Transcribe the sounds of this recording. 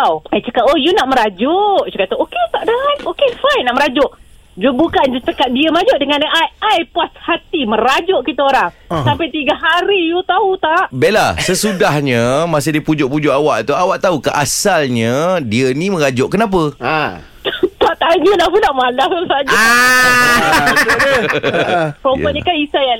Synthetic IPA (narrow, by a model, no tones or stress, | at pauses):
awajt͡ʃəkat̪ojunaʔməɾad͡ʒʊʔt͡ʃukatt̪əʔoket̪aʔdanokefajnːaʔməɾad͡ʒʊʔ | d͡ʒubukand͡ʒut͡ʃəkat̪̚diəməad͡ʒʊʔdəŋanʔajajpuashat̪iməɾad͡ʒʊʔkit̪aoɾaŋsampajt̪iɡaɦaɾijut̪aut̪aʔbelasəsudahɲəmas̬ediəpud͡ʒʊʔpud͡ʒʊʔawaʔt̪uawaʔt̪aukəʔasalɲədiənimə̃ɾad͡ʒʊʔkənap̬ə | t̪aʔt̪aɲəlahpunaʔmalaht̪sad͡ʒa | pɾompəɲəkanisaja